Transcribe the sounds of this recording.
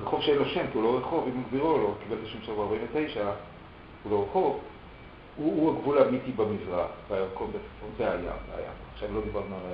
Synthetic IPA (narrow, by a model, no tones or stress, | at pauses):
ʁeχo̞vʃeenloʃe̞mkiulo̞ʁeχo̞vimaɡbiʁulokibe̞ltaʃemʃelobeaɐʁbaĩɱvetejʃa | ulo̞ʁeχo̞v | uːaɡvulamit̪ibamizʁaχveajaʁkonbet͡si̥fonzeaja̰mvea̰ja̰mpoaχʃavlo̞d̪ibaʁnualaj